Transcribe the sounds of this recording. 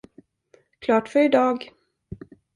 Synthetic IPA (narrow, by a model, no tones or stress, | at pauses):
kʰlɑːʈfœɾɪd̪ɑːɡ